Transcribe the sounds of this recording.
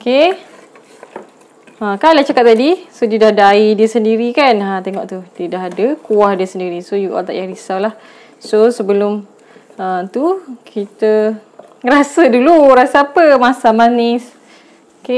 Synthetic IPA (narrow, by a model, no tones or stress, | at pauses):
oke | akajlaht͡ʃakat̪̚ːadisodidahdaidiəsəndiɾikanat̪eŋɔʔt̪udədaɦadəkuahdiəsəndiɾisojuʔɔ̰lt̪a̰ʔjaɾisawlah | sosəbəlʊm | ət̪ukʰit̪ə | ɾasəduluɾasəapəmasamanɪs | oke